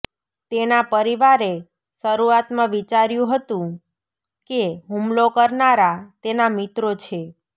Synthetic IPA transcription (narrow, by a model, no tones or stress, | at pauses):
t̪enapəɾiʋaɾe | ʃəɾuat̪mãʋit͡ʃaɾjũɦət̪ũ | keɦumlokəɾnaɾat̪enamit̪ɾot͡ʃʰe